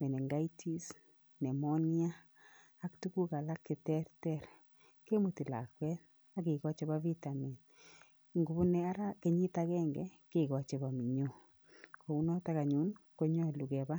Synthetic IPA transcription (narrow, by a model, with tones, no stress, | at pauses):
mɛ˨nɛ˨ŋɡa˦itʰi˦s | nɛ˨mɔ˦nia˦ | a˦ktu˦ku˦ka˨la˦kːe˨tɛ˦ɾtɛ˦ɾ | ke˦mu˨ti˨la̰˨kwɛ˦t | a˦ki˨kɔ˦t͡ʃe˦ba˦vi˦ta˨mi˨n | ŋɡu˨bu˦nɛ˦a˦ɾa˦ke˨ɲi˦ta˦kɛ˦ŋɡɛ˨ | kekɔ˨t͡ʃe˨ba˨mi˨ɲo˦ | kʰo˨u˦nɔ˦ta˦ka˨ɲu˦nko˦ɲɔ˦˨lu˨kɛ˨ba˦